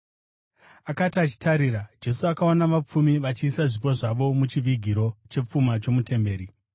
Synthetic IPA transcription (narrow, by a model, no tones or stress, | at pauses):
akatiat͡ʃi̥taɾiːɾad͡ʒe̞suakaonaʋap͡fumiʋat͡ʃiːsaʐipo̞ʐaʋo̞mut͡ʃiʋiɡʱiɾo̞t͡ʃe̞p͡fumat͡ʃo̞mute̞mbe̞ːɾi